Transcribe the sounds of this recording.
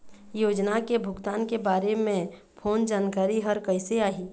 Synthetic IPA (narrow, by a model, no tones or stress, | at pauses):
joːd͡ʒnakebʱʊɡt̪aːnkebaːɾemẽ | pʰoːnd͡ʒaːnkaːɾiɦəɾkəɪseaːɦiː